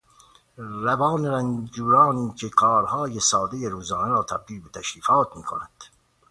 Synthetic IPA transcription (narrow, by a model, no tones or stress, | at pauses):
ɾæbɑːneɾænd͡ʒuːɾɑːniːkʰekʰɒːɾhɒːjesɒːd̪ejeɾuːzɒːneɾɒːt̪ʰæb̚d̪iːlbet̪ʰæʃɾiːfɑːt̪̚miːkʰonæd̪̥